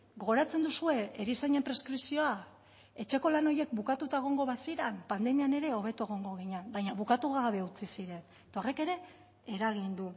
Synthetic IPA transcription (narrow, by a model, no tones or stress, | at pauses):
ɡo̞ɣoɾat͡se̞nd̪usue̞eɾisaɲe̞mpɾe̞skɾisio̞a | e̞t͡ʃe̞ko̞lano̞je̞k̚bukat̪ut̪ae̞ɣ̞o̞ŋɡo̞βasiɾampand̪e̞miane̞ɾe̞o̞β̞e̞t̪oe̞ɣ̞o̞ŋɡo̞ɣ̞iɲanbajɲaβukat̪uɣaβe̞ut͡sisiɾe̞n | et̪o̞reke̞ɾe̞ː | ɾaɣind̪u